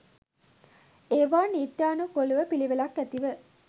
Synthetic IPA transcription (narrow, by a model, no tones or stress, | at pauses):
eːʋaːniːt̪jaːnukoluʋəpiliʋelakːæt̪iʋə